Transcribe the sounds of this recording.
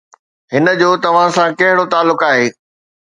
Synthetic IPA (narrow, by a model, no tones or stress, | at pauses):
ɦɪnəd͡ʑoːt̪ɐʋ̤ãsãkɐɦɪɽot̪aːlːʊkaːɦeː